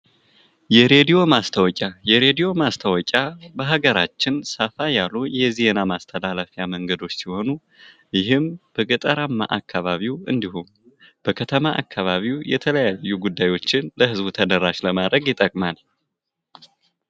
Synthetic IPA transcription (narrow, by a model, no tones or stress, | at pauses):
jɛɾe̞d̪ijo̞mast̪ʰəwɔkʼajɛɾe̞d̪ijo̞mast̪ʰəwɔkʲʼabəɦaɡəɾat͡ʃːɪnsafajalujɛze̞namast̪ʰəlaləfjaməŋɡəd̪o̞t͡ʃːsiho̞nu | jɪɦɨmb̥əkʼɨt̪ʼəɾamːa̰ʔakʰːaβaβiwɨ̰nd̪ihon | b̥əkʰət̪ʰəmaʔakʰːaβaβiwjɛ̰t̪ʰələjajːuɡud̪ːajwo̞t͡ʃːɪnləhɨzbut̪ʰəd̪əɾaʃləmad̪ɾəɡjɪt̪ʼəkʼmal